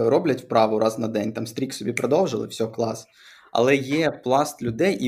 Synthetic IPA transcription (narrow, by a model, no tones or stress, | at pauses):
ɾɔblʲɐtʲwpɾɑʋʊɾʔɑznɐd̪ɛnʲt̪ɑmst̪ɾʲiksɔbʲipɾɐd̪ɔwʒɪlˠɪ̰wsʲɔɔklˠɑs | ɐ̰lˠɛjɛplˠɑst̪lʲʊd̪ɛjʔi